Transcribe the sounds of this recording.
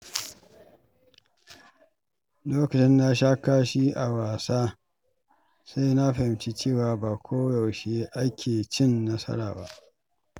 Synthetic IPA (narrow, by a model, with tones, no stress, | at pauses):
loː˦kɐ˨t͡ʃɪ˦nːa˦ʃ̬aː˦kaː˦ʃi˦ʔa˨waː˨saː˦ | sa˦jna˦ɸa˨hɪ˨˦mt͡ʃi˦t͡ʃeː˦˨waː˨baː˨kʷʰoː˦ja˨wʃe˦ʔa˦kʲʰeː˨t͡ʃɪ˦˨nːɐ˦sɐ̰˦ɽa̰ː˨ba̰˦ʔ